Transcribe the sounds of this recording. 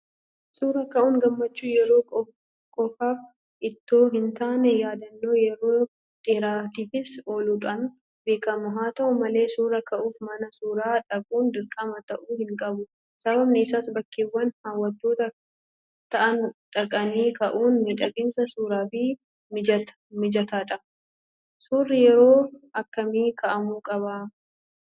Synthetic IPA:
suːɾɐkɐʔuːŋɡɐmːɐt͡ʃːuːjɛɾo̞ːkʼɔ | kʼɔfaːf | ɪt̪ːo̞ːɦɪnt̪aːnɛjaːd̪ɐnːoːjɛɾo̞ː | ᶑʼɪɾaːt̪iːfɪso̞ːluːᶑɐn | beːkɐmʊɦaːt̪ɐʔʊmɐle̞ːsuːɾɐkɐʔuːfmɐnɐsuːɾaːᶑɐkʼuːnd̪ɪɾkʼɐmɐt̪ɐʔuːhɪŋkʼɐbʊ | sɐβɐbnɪːsaːsbɐkːeːwːɐnhaːwːɐt̪ːoːt̪ɐ | t̪ɐʔɐnᶑɐkʼɐniːkɐʔuːnmiᶑɐkʼɪnsɐsuːɾaːfiː | mɪd͡ʒ | mɪd͡ʒɐt̪aːᶑɐ | suːrːɪjɛɾo̞ːɐkːɐmiːkʰɐʔɐmuːkʼɐba

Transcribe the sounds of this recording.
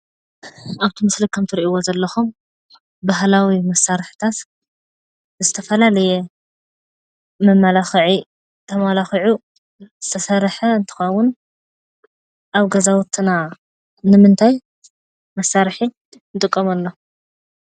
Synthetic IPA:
ʔaβt̪ʰimɨslikʰɐmt̪ʰɨɾiʔiwozɐlːɐxum | baɦlawimɐsːaɾħt̪ʰat̪ | zɨt̪ʰɐfɐlalɐjɛ | mɐmːalaxɨʕi | t̪ʰɐmalaxiʕu | z̥ɨt̪ʰɐsɐɾħɐɨnt̪ʰɨ̥xɐwʊn | ʔaβɡɐzawut̪ʰːɨna | nɨmɨnt̪ʰaj | mɐsːaɾħi | nɨt̪ʼɨkʼːɐmɐlːo̞

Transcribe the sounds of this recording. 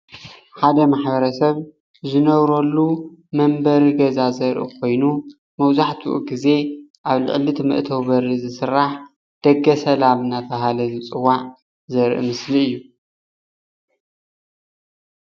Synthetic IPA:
ħad̪ɐmaħbɐɾɐsɐβ | zɨnɐβɾolːumɐmbɐɾiɡɐzazɐɾʔṵkʰo̞jnu | mɐwzaħt̪ʰuʔɡize̞ | ʔaβlɨ̰ʕɨlɨt̪ʰmɨ̰ʔt̪ʰɐwbɐɾizɨsɨɾːaħ | d̪̥ɐɡːɐsɐlamɨnat̪ʰɐɦalɐzɨt͡sʼɨwaʕ | zɐɾʔɨ̰mɨsliɨjːu

